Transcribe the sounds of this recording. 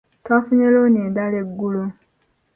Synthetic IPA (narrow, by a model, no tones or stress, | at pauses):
twafuɲeloneːdaleɡːulo